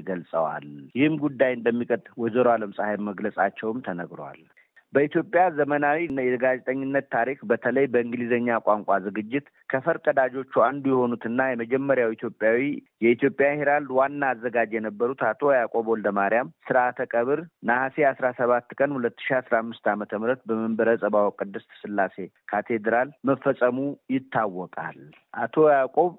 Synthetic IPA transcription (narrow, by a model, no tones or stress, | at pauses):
ɡəlsʼə̰wa̰ljɪhɨmɡud̪ːajɨnd̪əmːikʼət̪ʼwɔzəɾoaləmsʼahaɾməɡləsʼat͡ʃːɛwmt̪ʰənəɡɾowa̰l | bəit̪ʰjo̞pʼjazəmənawijɛɡad͡ʒɛt̪ʼəɲːɪnːət̪ːʰaɾikbət̪ʰələjbəɨŋɡɨlizəɲːakʷʼaŋkʷʼazɨɡɨd͡ʒːɪt̪ | kʰəfəɾkʼəd̪ad͡ʒo̞t͡ʃːuand̪ujɛho̞nut̪ɨnːajɛməd͡ʒɛmːəɾjawit̪ʰjo̞pʼːjawijɛit̪jo̞pʼjaheɾald̪wanːaːzːəɡad͡ʒjɛnəbːəɾut̪at̪ʰo̞jakʼo̞βold̪əmaɾijamsɨɾat̪ʰəkʼəβɨɾnahaseasɾasəβat̪ːkʼənhulət̪ːɨ̥ʃiasɾamːɨst̪amət̪ʰəmɨɾət̪̚bəməmbəɾəsʼəβawkʼɨd̪ːɨst̪ʰsɨlːase̞kʰat̪ʰe̞d̪ɾalməfːəsʼəmujɪt̪ʰːawːɔkʼa̰l | ʔat̪ʰo̞jakʼo̞β